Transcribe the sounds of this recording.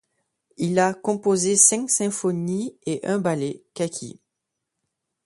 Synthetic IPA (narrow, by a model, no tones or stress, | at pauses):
ilakɔ̃pozesɛ̃ksɛ̃fɔnieʔɛ̃balekakʲʰḭ